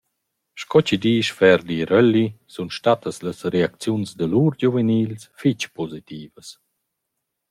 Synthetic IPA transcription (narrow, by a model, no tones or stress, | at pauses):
ʃkɔt͡ɕid̪iːʃfɛɾd̪iɾɛlːisunʃt̪at̪əsləsɾeakt͡sjunsd̪əluːɾd͡ʑuveniːlsfit͡ʃpɔzit̪iːvəs